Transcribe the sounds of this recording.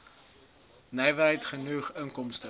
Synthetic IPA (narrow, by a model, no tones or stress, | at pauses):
nɛjvəɾɦɛjtχənuχəŋkɔmstə